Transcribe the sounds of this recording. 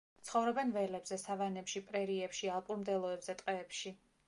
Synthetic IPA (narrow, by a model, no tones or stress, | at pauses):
t̪sʰχɔvɾɔbɛnvɛlɛbzɛsavanɛpʃipʼɾɛɾiɛpʃialˠpʼuɾmd̪ɛlˠɔɛbz̥ɛt̪ʼqʼɛːpʃi